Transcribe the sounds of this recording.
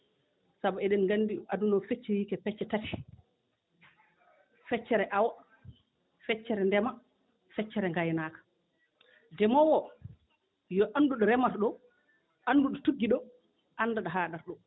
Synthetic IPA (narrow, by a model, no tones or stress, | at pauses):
sabɔɛɗɛnŋɡandiʔadunɔfet͡ʃːɛwiːkɛpɛt͡ʃːɛtatɛ̥ | fɛt͡ʃːɛɾɛʔawa | fɛt͡ʃːɛɾɛndɛma | fɛt͡ʃːɛɾɛŋɡajnaːkḁ | dɛmɔwɔ | jɔʔanduɗɔɾɛmaɾɗɔ | ʔanduɗɔtuɡːiɗɔ | ʔanːdaɗaɦaːɗaɾɗɔ